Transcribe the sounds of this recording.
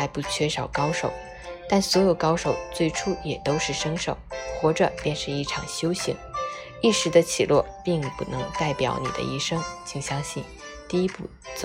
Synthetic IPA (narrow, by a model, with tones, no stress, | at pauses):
a˧˥ɪpu˥˩t͡ɕʰɥɛ˥˩ʂɑ˨˩ʊkɑ˥ʊʂo̰˨˩˦ʊ | t̪a˥˩nswɔ˧˥jo˨˩ʊkɑ˥ʊʂo˨˩ʊt͡swe˥˩ɪʈ͡ʂʰu˥jɛ˨˩t̪o˥ʊʂɻ̩˥˩ʂɤ˥ŋʂo˨˩˦ʊxwɔ˥ʈ͡ʂɤ˨˩pjɛ˥˧nʂɻ̩˥˧i˥˩ʈ͡ʂʰɑ̰˨˩ŋɕjo˥ʊɕḭ˧˥ŋ | i˥˩ʂɻ̩˧˥d̪ə˧t͡ɕʰi˨˩lwɔ˥˧pi˥˧ŋpṵ˨˩nɤ˧˥ŋt̪a˥˩ɪpjɑ̰˧˥ʊnḭ˨˩d̪ə̰˦i˥˩ʂɤ˥ŋt͡ɕʰi˥˩ŋɕjɑ˥ŋɕi˥˩n | t̪i˥˧i˥pu˥˩t͡s